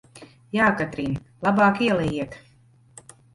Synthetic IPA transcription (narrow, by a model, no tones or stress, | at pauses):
jaːkat̪ɾinlˠabɑːkiɛlˠɛjiɛt̪